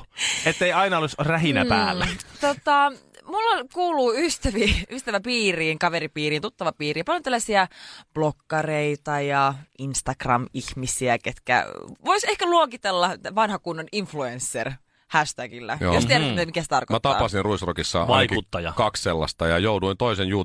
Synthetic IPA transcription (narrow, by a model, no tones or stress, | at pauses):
et̪ːeiɑinɑolusræɦinæpæːlːæt̪ot̪ɑmulːɑkuːluːyst̪æʋiyst̪æʋæpiːriːŋkɑʋeɾipiːriːnt̪ut̪ːɑʋɑpiːriːpɑljot̪ælːæsiæb̥lokːɑreit̪ɑjɑinst̪ɑkrɑmihmisiæket̪kæ̰ʋoisehkæluokit̪elːɑt̪ʋɑnhɑkunːoninfluensːer | hæʃt̪æɡilːæ̰o̰jost̪ieɾæt̪ːæmik̪æset̪ɑ̰rkomæt̪ɑɑ̰ɑsinruisrokisːɑ̰ʔʋ̰ɑnkut̪ːɑjɑ̰kɑksselːɑ̰st̪ɑjɑjouduint̪oisenjuː